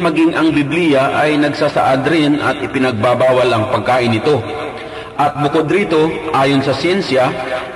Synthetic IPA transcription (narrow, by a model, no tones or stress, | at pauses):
mɐɡiŋʔɐŋbɪblijɐʔɐjnɐɡsasɐ̰ʔad̪ɾɪnʔɐ̰t̪ʔɪpɪnɐɡ̚baːbaːwɐlɐŋpɐɡ̚kaːʔɪnːɪt̪o̞ | ʔɐt̪̚bʊkod̪ɾiːt̪o̞ʔʔaːjonsɐsjɛnsjɐ